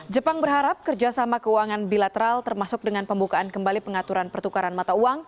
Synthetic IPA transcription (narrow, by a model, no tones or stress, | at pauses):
d͡ʒəpaŋbərɦaɾap̚kərd͡ʒasamakəuaŋanbilat̪əɾalt̪ərmasʊk̚dəŋanpəmbukaankəmbalipəŋat̪uɾanpərt̪ukaɾanmat̪auaŋ